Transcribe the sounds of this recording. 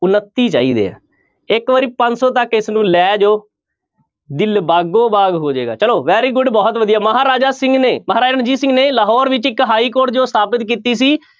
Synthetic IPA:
ʊnət̪ːiːt͡ʃa̰ːḭːd̪ḛːɛ̰̃ː | ɪkʋəːɾiːpə̃ɲd͡ʒsɔ̃ːt̪əkɪsnũːlɛːd͡ʒoː | d̪ɪlbaːɡoːbaːɡɦoːd͡ʒḛːɡa̰ːt͡ʃəloːʋɛːɾiːɡʊɖbɔːt̪ʋəd̪ijaːməɦaːɾaːd͡ʒaːsɪ̃ŋɡneːməɦaːɾaːd͡ʒənd͡ʒiːsɪ̃ŋɡneːləɦɔːɾʋɪt͡ʃɪkɦaːiːkoːɾʈd͡ʒoːst̪ʰaːpɪt̪kiːt̪iːsiː

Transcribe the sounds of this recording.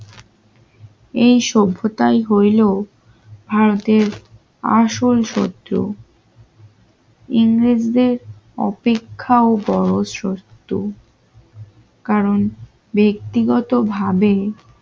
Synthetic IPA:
ejʃobʱːot̪ajɦojlo | bʱaɾot̪eɾ | a̰ʃolʃo̰t̪ːɾo̰ | iŋɾid͡ʑd̪eɾ | ɔ̰pekʰːaobɔɾosɾost̪u | kaɾon | bek̚t̪iɡɔt̪obʱabe

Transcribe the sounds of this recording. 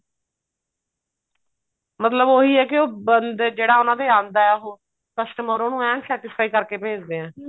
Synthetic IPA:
mət̪ləboːɦiːɛːkɪoːbənd̪d͡ʒeːɽaːonãːd̪eːaːnd̪aːɛːɦoː | kəsʈəməɾoːnũːɛ̃ːsɛːʈɪsʰaːiːkəɾkeːpeːd͡ʒd̪eːɛ̃ː

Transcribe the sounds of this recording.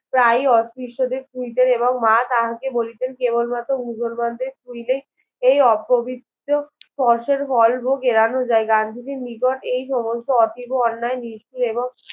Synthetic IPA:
pɾajɔst̪ɾiʃʈod̪eɾkujt̪eɾeboŋmat̪aɦakebolit̪enkebolmat̪ɾomusolmand̪eɾtujlej | ejɔpːobʱid̪ | opɔɾʃeɾfɔlboɡeɾanod͡ʑaeɡand̪ʱid͡ʑemikɔʈejʃɔmosʈoɔt̪ʰiboɔnːaeniʃʈiɾeboŋ

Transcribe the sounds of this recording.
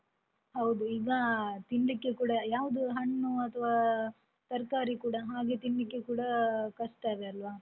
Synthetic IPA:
hɐwd̪uiːɡɐt̪iɳɖikːekuːɽɐjaːʋud̪uɦɐɳːuɐt̪ʰɐʋaː | t̪ɐɾkaːɾikuːɽɐɦaːɡe̞ːt̪iɳɖikːe̞kuːɽɐkɐʂʈaːd̪eɐlʋaː

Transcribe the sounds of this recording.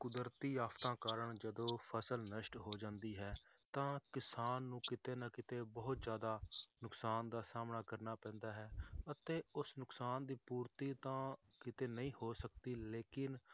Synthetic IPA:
kʊd̪əɾt̪iːaːft̪ãːkaːɾəɳd͡ʒəd̪õːpʰəsəlnəʃʈɦoːd͡ʒãːnd̪iːɦɛːt̪ãːkɪsaːnːũːkɪt̪eːnakɪt̪eːbəɦʊt̪zjaːd̪aːnʊksaːnd̪aːsaːmnaːkəɾnaːpɛ̃ːnd̪aːɦɛːət̪eːʊsnʊksaːnd̪iːpuːɾt̪iːt̪ãː | kɪt̪eːnəĩːhoːsəkd̪iːleːkɪn

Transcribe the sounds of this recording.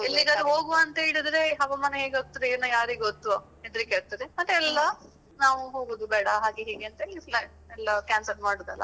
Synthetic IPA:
elːiːɡɐd̪uɦoːɡuɐnt̪ɐɦeːɭid̪ɾe̞ɦɐʋɐmɐneɦeːɡeot̪ːiɾeeːnɐjaːɾiːɡeot̪ːu | ed̪ɾikeːɭt̪iɾemɐt̪ːɛlːɐ | naːʋuɦoːɡod̪ubɛːɽɐɦaːɡeɦeːɡeɐnt̪ɐeːlːipʰlɐ | ɛlːɐkaːnsɐɾmaːɽud̪ɐ̰lːɐ̰

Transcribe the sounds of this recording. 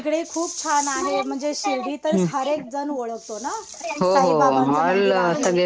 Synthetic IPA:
kɽekʰuːp̚t͡ɕʰanaɦem̤əɳd͡zeɕilɖ̪iːt̪əɾɦəɾek̚d͡zənʋoɭəkt̪ona | ɦoɦomalt̪əɡe

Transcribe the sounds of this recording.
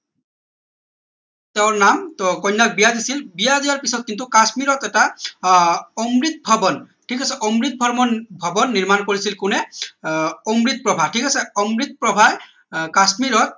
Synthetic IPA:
tɛʊɹnamkɔjnːak̚bijadisilbijaziwaɹpisɔt̚kintukasmiɹɔt̪ɛta | ɔmɹit̪̚bʱabɔn | ʈʰikasɛʔɔmɹit̪̚bʱɔɹmɔbʱɔbɔnːiɹmankoɹisilkʊnɛ | ɔmɹit̪̚pɹɔbʱatʰikasɛɔmɹit̪̚pɹɔbʱa | kasmiɹɔt̪̚

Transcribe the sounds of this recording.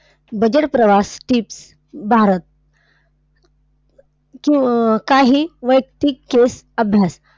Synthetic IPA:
bəd͡ʑəʈpɾəʋasʈiːps | bʱaɾət̪̚ | kĩkaɦiːʋəjkt̪ikːes | əbʱjas

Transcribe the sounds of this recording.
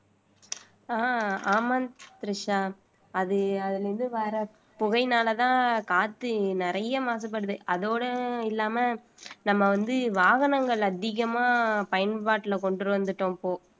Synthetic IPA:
aːaːmɐnt̪ɾɪʂaː | ɐðɯɐðɪlɾɯnd̪ɯʋaːɾɐ | pʊɣɐɪnaːlɐt̪ãːkaːt̪ːɯnɪɾɐjɐmaːsɐp̬ːɐɽɯðɯʔɐðoːɽɐɪlːaːmɐnɐmːɐʋɐnd̪ɯʋaːɣɐnɐŋɡɐɭɐðɪɣɐmaːpɐjɐnpaːʈːɪlkɔɳɖɯɾɯʋɐnd̪ɯʈːõːpoː

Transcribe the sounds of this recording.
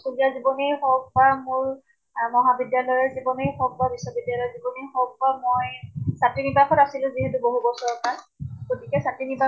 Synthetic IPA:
suzijazibɔnejxɔk̚bamʊɹ | mɔɦabidjalɔjɔɹzibɔnejxɔk̚babisːɔbidjalɔjɔzibɔnijxɔk̚bamɔjsatɹinibakʰɔtasilʊ̃ziɦɛtʊboɦubɔsɔɹɔpa | ɡ̥otʰikɛsatɹiniba

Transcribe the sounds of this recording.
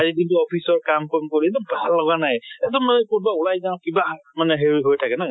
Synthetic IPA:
azikintuɔpʰisɔɹkamkɔmkɔɹitɔbʱalːɔɡanajɛtɔmanɛkutbaulajzaŋkibamanɛɦeɹiɦojtʰakɛna

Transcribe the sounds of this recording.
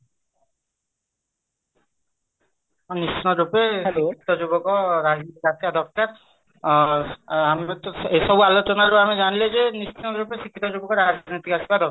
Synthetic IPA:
nist͡ʃʰnɔɾupesikʰi̥t̪ɔd͡ʒubɔkɔɾad͡ʒnit̪ikasbad̪ʱɔk̚taɾ | amet̪ɔesɔbualot͡ʃɔnaɾupamed͡ʒaniled͡ʒenist͡ʃʰinɔɾupesikʰːit̪ɔd͡ʒubɔkɔɾad͡ʒnit̪ikasibad̪ɔ

